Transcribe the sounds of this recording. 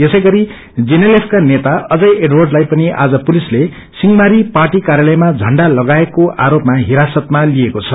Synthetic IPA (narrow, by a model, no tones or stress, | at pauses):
esʌjɡʌɾi | d͡zinelepʰkanet̪aʌd͡zʌjʔeɖwʌrɖlajpʌniʔa̰d͡zʌpulisle | siŋɡmaɾiparʈikaɾjalʌjmad͡zʱʌɳɖalʌɡaekoʔaɾopmaɦiɾasʌt̪̚maliekot͡sʰʌ